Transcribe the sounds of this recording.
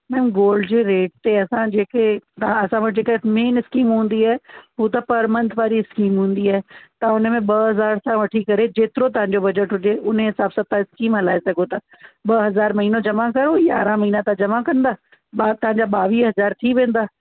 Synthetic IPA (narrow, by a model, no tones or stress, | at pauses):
mɛ̃ːmɡoːlɖd͡ʑeːɾeːʈ̚t̪eɐsãd͡ʑeːket̪ɐãɐsãʋɐʈʰd͡ʑeːkaɪmeːnɪskiːmɦũːn̆d̪iaːɦeɦuːt̪̬ɐpɐɾmə̃nd̪ʱʋaːɾiɪskiːmɦũːnd̪iaːɦɛt̪aʊnə̆mẽɓɐɦɐzaːɾsãʋɐʈʰikɐɾed͡ʑeːt̪ɪɾot̪ɐʋ̤ãɲ̆d͡ʑobɐd͡ʑəʈɦʊd͡ʑeʊnɦɪsaːbsãt̪ãɪskiːmɦɐlaːesɐɡot̪ʰa | ɓɐɦɐzaːɾmɐɦiːnod͡ʑɐmakɐɾoja̰ːɾãmɐɦiːnãt̪ãd͡ʑɐmakɐ̃nd̪aː | ɓat̪ɐʋ̤ãɲd͡ʑaːɓaːʋiːɦɐzaːɾt̪ʰiʋẽːn̆d̪aː